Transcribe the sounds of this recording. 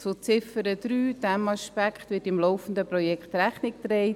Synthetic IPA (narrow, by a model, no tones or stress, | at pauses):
t͡sʊt͡sɪfəɾəd̪̥ɾyːd̥ɛmɑʃpækχt̪ʋɪːtɪmlɔʊfən̩d̪əpɾɔjɛkχtɾæχnɪk̚t̪ɾɛɪ